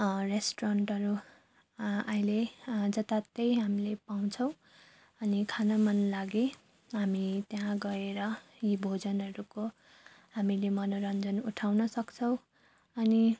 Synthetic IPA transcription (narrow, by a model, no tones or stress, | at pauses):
resʈoɾʌɳʈʌɾu | ajled͡zʌt̪at̪ʌjɦamilepaw̃t͡sʰʌw̃ | ʌnikʰanamʌnlaɡe | ɦamit̪jaɦãɡʌeɾʌ | jibʱod͡zʌnʌɾuko | ɦamilemʌnoɾʌnd͡zʌnuʈʰawnʌsʌkt͡sʰʌw̃ | ʌni